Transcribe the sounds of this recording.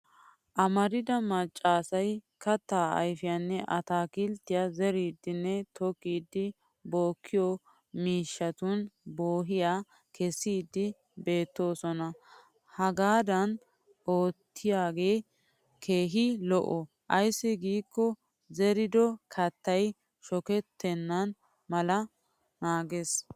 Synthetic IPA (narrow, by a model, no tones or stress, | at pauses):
ʔɐmɐɾɪd̪ɐmɐt͡ʃʼːaːsɐj | kɐt̪ːaːɐ̰jfɪjanːɛʔɐt̪aːkɪlt̪ːɪjazɛɾiːd̪ːɪnːɛt̪ɔkːiːd̪ːɪ | bo̞ːkʰːɪjɔ | miːʃːɐt̪ʊnboːɦɪjaː | kʰɛsːiːd̪ːɪ | be̞ːt̪ːo̞ːsɔnɐ | hɐɡaːd̪ɐn | oːt̪ʰːɪjaːɡe̞ː | kʰeːɦɪlɔʔɔ | ʔɐjsːɪɡiːkːɔ | zɛɾɪd̪ɔkʰɐt̪ːɐj | ʃɔkɛt̪ʰːɛnːɐn | mɐlɐ | naːɡes